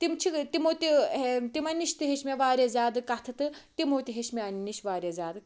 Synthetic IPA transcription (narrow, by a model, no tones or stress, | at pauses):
t̪imt͡ʃʰit̪imoːt̪iet̪imɐniʃt̪ɨɦeʃmeʋaːɾʲezʲaːd̪ɨkɐt̪ʰɨt̪ɨt̪imoːt̪ʲiɦeʃmeɐniniʃʋaːɾʲezʲaːd̪ɨ